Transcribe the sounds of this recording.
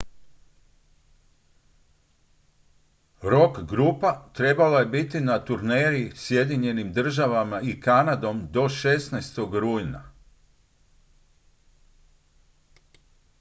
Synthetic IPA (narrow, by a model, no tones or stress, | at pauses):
ɾo̞kɡɾupat̪ɾe̞balaje̞bit̪inat̪uɾneːɾisje̞d̪iɲe̞nimd̪r̩ʒaʋamaikanad̪o̞md̪o̞ʃe̞snajst̪o̞ɡɾuːjna̰